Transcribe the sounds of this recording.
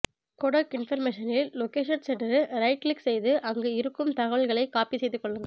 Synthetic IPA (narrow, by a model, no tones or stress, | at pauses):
kɔɽɐkɪnfɐɾmeːʂɐnɪlːɔkeːʂɐnsɛʈɐɾɯɾɐɪʈlɪksɛjðɯʔɐŋɡeːɪɾɯkːɯmt̪ɐɣɐɭɣɐɭɐɪkːaːpisɛjðɯkːɔɭːɯŋɡɐ